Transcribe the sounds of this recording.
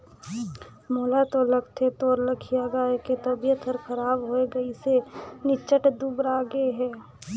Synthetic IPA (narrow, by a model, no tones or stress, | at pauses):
moːlat̪olɐɡt̪ʰet̪oːɾləkʰijaɡaeket̪ɐbijət̪əɾkʰəɾaːbɦoeɡɐisenɪt͡ʃəʈd̪ubɾaːɡeɦɛː